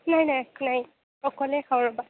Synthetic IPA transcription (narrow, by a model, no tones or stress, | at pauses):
najnajnaj | ɔkɔlɛxʰawɹɔba